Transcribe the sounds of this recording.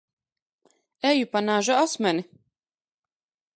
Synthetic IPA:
ɛjupanaːʒaasmʲɛni

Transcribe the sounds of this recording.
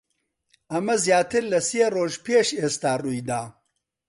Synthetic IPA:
ɐmɐzjaːt̪ʰɪɾlɐseroːʒpʰeːʃest̪aːrujd̪aː

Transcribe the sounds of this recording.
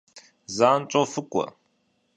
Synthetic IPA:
zant͡sʼofɨkʷʼɐ̰

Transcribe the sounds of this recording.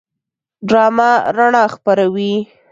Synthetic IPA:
ɖɾɑmaɾaɳɑxpaɾawi

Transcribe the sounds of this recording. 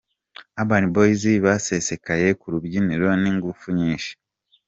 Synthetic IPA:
aβaːniboiziβase̞se̞kajekuɾuβjiniɾoniŋɡufuɲiːʃe̥

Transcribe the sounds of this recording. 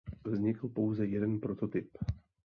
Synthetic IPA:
vzɲɪkl̩po̞wzɛjɛdɛnpɾo̞t̪o̞t̪ɪp

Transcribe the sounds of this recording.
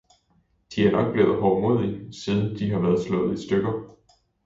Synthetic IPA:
d̥iæɐnɒ̽ɡ̥̚b̥le̝ʊð̩ˠɦɒʊmo̝ð̰ˠisiːð̞ˠən̩d̥iɦɑ̈ʋæɐð̩ˠslɔ̽ːð̩ˠisd̥øɡ̥ɐ

